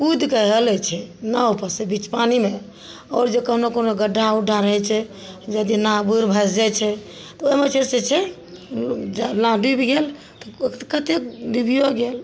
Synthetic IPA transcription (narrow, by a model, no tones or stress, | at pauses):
ud̪kəɦələt͡ʃʰɛnaopəsebit͡ʃpanime | ɔːɾd͡ʒekəɦnokonoɡəɖʱːauɖʱaɾəɦɛt͡ʃʰɛ | d͡ʒad̪inãbuɾbʱəsd͡ʒat͡ʃʰɛ | t̪ɔomet͡ʃʰeset͡ʃʰɛ | d͡ʒalãd̪ibʱɡel | t̪ɔ̥kət̪ekdibʱijoɡel